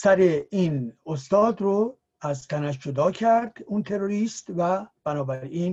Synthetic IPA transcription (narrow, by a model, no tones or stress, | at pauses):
sæɾeiːnost̪ɒːd̪ɾo | æzt̪ʰænæʃd͡ʒod̪ɒːcʰæɾd̪̥uːnt̪ʰe̞ɾoɾiːst̪væb̥ænɒːbæɾiːn